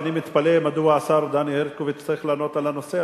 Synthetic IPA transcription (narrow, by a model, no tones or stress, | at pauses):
nimit̪palemad̪uaːsaʁd̪anieʁkuvet͡saʁiχlaːno̞t̪alano̞se